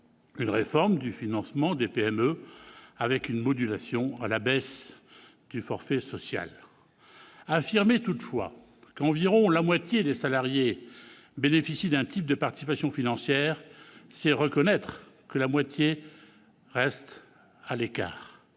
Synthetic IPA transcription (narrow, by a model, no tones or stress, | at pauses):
ynʁefɔʁmd̪yfinɑ̃smɑ̃d̪epeɛmø | avɛkynmɔd̪ylasjɔ̃alabɛs | d̪̥yfɔʁfɛsɔsja̰l | afiʁmet̪ut̪fwa̰ | kɑ̃viʁɔ̃lamwat̪jed̪esalaʁje | benefisid̪ɛ̃t̪ʰip̚d̪əpaʁt̪isipasjɔ̃finɑ̃sjɛʁsɛʁəkɔnɛt̪χ | kəlamwat̪je | ʁɛst̪ | aleka̰ːʁ